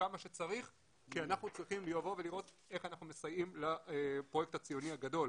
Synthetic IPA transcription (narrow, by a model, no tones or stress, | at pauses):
kamaʃe̞t͡saʁiχ | kianaχnut͡sʁiχimliavo̞veliʁo̞t̪ | e̞χanaχnumesajimlapʁje̞k̚tat͡sijo̞niaɡado̞l